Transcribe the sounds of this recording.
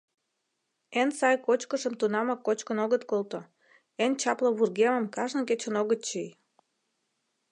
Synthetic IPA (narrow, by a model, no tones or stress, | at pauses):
ensɑjkot͡ɕkəʃəmt̪unɑmɑkːot͡ɕkənoɣət̪kolt̪o | ent͡ɕɑpləβurɣeməmkɑʒnə̆ket͡ɕə̆noɣət̪̚t͡ɕij